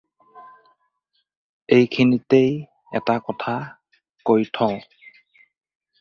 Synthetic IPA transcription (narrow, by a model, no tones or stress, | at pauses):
ejkʰinitej | ɛ̰takɔtʰa | kojtʰɔ̃